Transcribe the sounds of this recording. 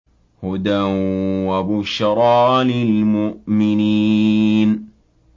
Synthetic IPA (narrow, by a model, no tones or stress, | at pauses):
hʊd̪awabʊʃɾˤɑːlɪlmʊʔmɪni | n